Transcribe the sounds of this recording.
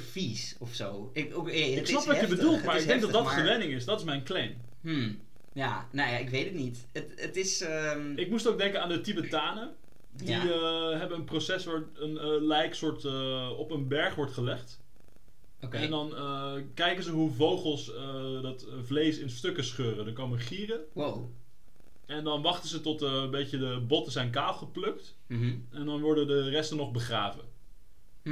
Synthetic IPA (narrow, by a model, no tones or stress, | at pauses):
fis | ɔfso̰w | ɪkɪksnɑppʋəbədulˠtmaɹɪɡ̚dɛŋk̚dɑtdɑtəʋɛnɪŋɪsdɑtɪsmɛjnklejn | janaja̰ɪkʋejtətnit | ətətɪsɪk̚mustowk̚dɛŋkənaːndətibətaːnə | diəɦɛbənənprosɛsʋaːɹ | ənlɛjksʊːɹtəɔpənbɛɹχʋɔɹtχəlɛχt | kɛndɑnəkɛjkənzəɦuvowχəlˠs | ədɑt | vlejsɪnstøkəsχøːrədɑnkoməχiːrəw | ɛndɑnʋɑχtəzətɔtmbejcədəbɔtəzɛjnkaːlˠχəplɵkt | ɛndɑnʋɔɹdədərɛstənɔχbəχraːvə̰